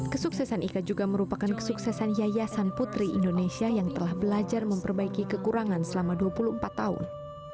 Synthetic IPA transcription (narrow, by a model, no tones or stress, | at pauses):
kəsuksɛsanikad͡ʒuɡaməɾupakankə̥suksɛsanjajasanput̪ɾiḭndonesiajaŋt̪əlahbəlad͡ʒarməmpərbaikikəkuɾaŋansəlamaduapuluhmpat̪ːaʊ̰n